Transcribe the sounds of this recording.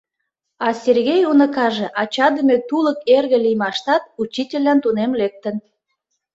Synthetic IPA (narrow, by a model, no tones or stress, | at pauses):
ɑsʲerɣejunəkɑʒeʔɑt͡ɕɑd̪əmet̪uləkerɣĕlijmɑʃt̪ɑt̪̚ut͡ɕitʲelʲːɑnt̪unemlek̚t̪ən